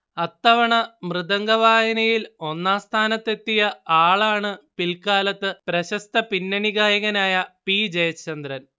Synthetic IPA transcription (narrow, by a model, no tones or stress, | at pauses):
ɐt̪ːɐʋɐɳɐmrɨðɐŋɡɐʋaːjɐnɐjilo̞nːaːst̪ʰaːnɐt̪ːe̞t̪ːijɐaːɭaːɳɨpilkaːlɐt̪ːɨpɾɐɕɐst̪ɐpinːɐniɣaːjɐɣɐnaːjɐpiːd͡ʑɐjɐt͡ɕːɐnd̪ɾɐn